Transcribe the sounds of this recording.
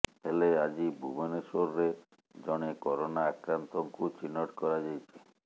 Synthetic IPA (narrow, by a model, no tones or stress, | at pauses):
helead͡ʑibʱuboneʃoɾːe | d͡ʑɔnekɔɾonaakɾant̪oŋkut͡ɕinːoʈkɔɾad͡ʑajt͡ɕʰe̥